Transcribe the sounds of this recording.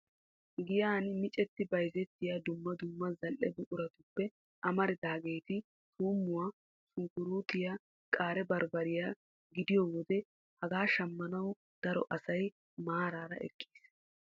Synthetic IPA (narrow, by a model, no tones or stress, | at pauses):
ɡɪjaːnmɪt͡ʃʼɛt̪ːɪbɐjzɛt̪ːɪjaːd̪ʊmːɐd̪ʊmːɐzɐlʔːɛd̪ʊʔʊɾɐt̪ʊpːɛ | ʔɐmɐɾɪd̪aːɡe̞ːt̪ɪ | suːmːʊwaː | sʊŋkʊɾuːt̪ɪja | kʼaːɾɛbɐɾbɐɾɪjaː | ɡɪd̪ɪjɔːwɔd̪ɛ | hɐɡaːʃɐmːɐnɐw | d̪̥ɐɾɔ̰ʔɐsɐj | maːɾaːɾɐ̰ʔɛ̰kʼːi̥ːs